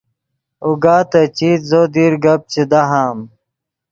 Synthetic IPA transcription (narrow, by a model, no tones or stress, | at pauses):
uɡaːt̪ɐt͡ɕiːt̪zod̪iːɾɡɐb̚t͡ɕid̪aɦaːm